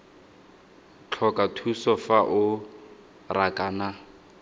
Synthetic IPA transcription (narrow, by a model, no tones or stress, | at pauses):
t͡ɬʰɔkʼatʰusɔfaʔʊ | rakʼaːna